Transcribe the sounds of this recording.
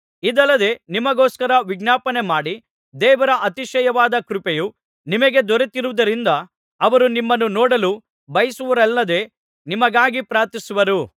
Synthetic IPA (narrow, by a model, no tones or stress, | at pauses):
id̪ɐlːɐd̪e̞nimɐɡoːskɐɾɐʋiɡnaːpɐne̞maːɽi | d̪ɛːʋɐɾɐʔɐt̪iʃɐjɐʋaːd̪ɐkɾupeju | nimɐɡe̞d̪ɔɾet̪iɾuʋd̪ɐɾind̪ɐː | ʋɐɾunimːɐnːunɔːɽɐlu | bɐjisuʋuɾɛlːɐd̪e̞ | nimɐɡaːɡipɾaːɾt̪isuʋɐɾu